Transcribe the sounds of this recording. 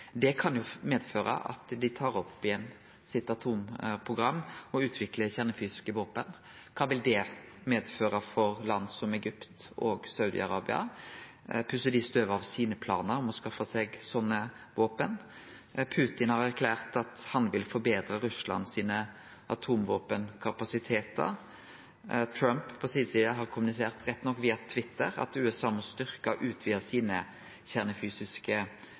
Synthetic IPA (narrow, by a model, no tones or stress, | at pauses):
d̪ɛkʰɑnjʊmeːd̪føːɾə̰ʔɑ̰t̪d̪ɪt̪ʰɑːɾɔpːɪjɛnː | sɪt̪ɑt̪ʰuːmpʰʁʊɡɾɑmːɔʉːt̪ʰʋɪkləçæʁnəfyːsɪ̥skəʋoːpən | kʰɑːʋɪld̪ɛmeːd̪føːɾəfɔɾlɑnd̪sɔmɛɡʏpt̪o̰ːɡsɑʉd̪ɪ̰ɑ̰ɾɑːbɪɑ̰ | pʰʉsəd̪ɪst̪øːʋɑʋsiːnəpʰlɑ̰ːnəɾɔmɔskɑfːɑsɛɡsɔnːə | ʋoːpən | pʰʉːt̪ɪnhɑɾæɾkʰlæːʁt̪ɑt̪hɑnʋɪlfɔɾbeːd̪ɾəɾʉslɑ̰nːsiːnə | ʔɑt̪ʰuːmʋoːpənkʰɑpɑsɪt̪ʰeːt̪ə̰ | t̪ʰɾɑmppʰɔsiːsiːɑɦɑʁkʰʊmʉnɪseːʁt̪ɾɛt̪ːnɔkːʋiːɑt̪ʰʋɪt̪ːəɾɑ̰t̪ʉːɛsɑːmɔst̪ʏʁkɑʔʉːt̪ʰʋiːəsiːnə | çæʁnəfyːsɪskə